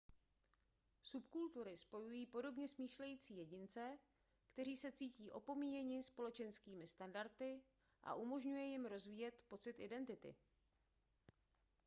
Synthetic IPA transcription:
supkult̪uɾɪspo̞jujiːpo̞do̞bɲɛsmiːʃlɛjiːt͡siːjɛɟɪnt͡sɛ | kt̪ɛɾ̝iːsɛt͡siːciːʔo̞po̞miːjɛɲɪspo̞lɛt͡ʃɛnskiːmɪst̪andaɾt̪ɪ | ʔa̰ʔumo̞ʒɲujɛjɪmɾo̞zviːjɛt̪po̞t͡sɪt̪ʔɪdɛnt̪ɪt̪ɪ̰

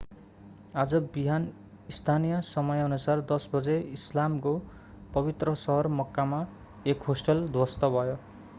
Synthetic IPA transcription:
ad͡zʌbiɦan | ist̪ʰanijʌsʌmʌjʌnusard̪ʌsbʌd͡zeislamko | pʌbit̪rʌsʌɦʌrmʌkːama | ekɦosʈʌld̪wʌst̪ʌbʱʌjo

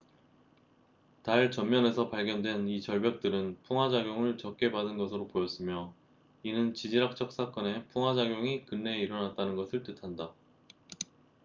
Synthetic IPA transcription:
taɭt͡ɕʌmːjʌne̞sʰʌpaɭɡjʌndwe̞nit͡ɕʌɭbjʌk̚t͈ɯɾɯnpʰuŋɦwad͡ʑaɡjoŋɯɭt͡ɕʌk̚k͈e̞badɯnɡʌsʰɯɾopojʌs͈ɯmjʌ | inɯnt͡ɕid͡ʑiɾak̚t͡ɕ͈ʌk̚s͈ak͈ʌne̞pʰuŋɦwad͡ʑaɡjoŋikɯnːe̞iɾʌnat̚t͈anɯnɡʌsʰɯɭt͈ɯtʰanda

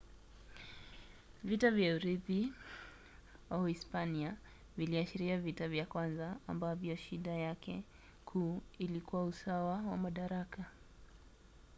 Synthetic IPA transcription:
vitavjauɾipi | waispania | viliaʃiɾiavitavjakwanza̰ːmbavjɔʃiɗajakɛ̰ | kʰuːilikuwausawawa̰maɗaɾaka

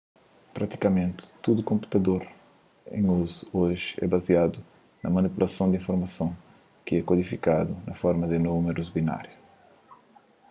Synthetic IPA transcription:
pɾat̪i̥kɐmẽnt̪ɪ̥t̪ud̪ukõmpu̥t̪ɐd̪oɾ | ḛ̃j̃uzuoʒɪɛ̰baziad̪u | nɐmɐnipulɐsɐ̃w̃d̪ĩfoɾmɐsɐ̃w̃ | kɨɛkwod̪ifikad̪unɐfɔɾmɐd̪ɨnumeɾuzbina̰ɾjɐ

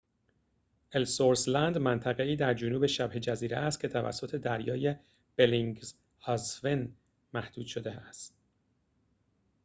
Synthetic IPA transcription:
ʔelsoɾslænd̪mænt̪ʰæɣe̞iːd̪æɾd͡ʒonuːbe̞ʃæbhe̞d͡ʒæziːɾeæst̪̚cʰe̞t̪ʰævæ̰sːo̞t̪ʰe̞d̪æɾjɒːje̞ | b̥eliŋɡz | hɒzven | mæhd̪̥uːd̪̥ʃo̞d̪eæst̪̚

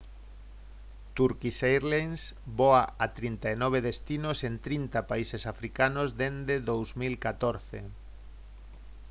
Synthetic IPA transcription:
t̪uɾkisejɾlensboaat̪ɾint̪aenɔβ̞eðest̪inosent̪ɾint̪apaisesafɾikanozd̪end̪eðowzmilkat̪oɾθḛ

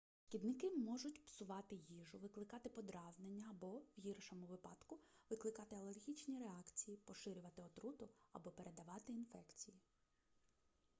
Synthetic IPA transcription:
ʃkʲid̪nɪkɪmɔʒʊtʲpsʊʋɑt̪ɪjiʒʊʋɪklˠɪkɑt̪ɪpɔd̪ɾɑznenʲːɐːbɔwjirʃɔmʊʋɪpɑd̪̥kʊʋɪklˠɪkɑt̪ɪɐlˠerʲɦʲit͡ʃnʲiɾeɑkt͡sʲijipɔʃɪɾʲʊʋɐt̪ɪɔt̪ɾut̪ʊɐ̰bɔpe̞ɾʔe̞d̪ɐʋɑt̪ɪinfɛkt͡sʲiji

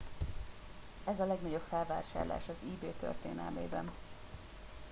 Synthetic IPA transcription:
ɛzɒlɛɡnɒɟo̞pfɛlva̰ːʃaːrla̰ːʃɒziːbeːt̪ø̰rt̪eːnɛ̰lmḛːbɛ̰n

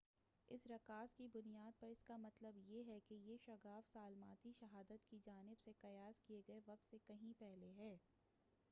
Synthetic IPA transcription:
ɪsɾɐkaːskibʊnijaːd̪̚pɐɾɪskamɐt̪ləbjeɦɛkejeʃɐɡaːfsaːlmaːt̪iʃɐɦaːd̪ət̪kid͡ʒaːnɪbsekɐjaːskieɡɐeʋɐqt̪sekɐɦĩpɛɦleɦɛː

